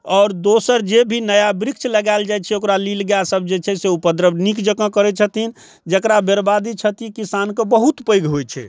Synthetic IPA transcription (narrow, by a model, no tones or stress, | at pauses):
ɔːɾd̪osəɾd͡ʒebʱinəjabɾik̚t͡ʃʰləɡaɪld͡ʒajt͡ʃʰɛokɾalilɡjasəb̚d͡ʒet͡ʃʰɛseupəd̪ɾəbnikd͡ʒəkə̃kəɾɛt͡ʃʰət̪in | d͡ʒəkɾabeɾbad̪it͡ʃʰət̪ikisankebəɦut̪pəjɡɦojt͡ʃʰɛ̰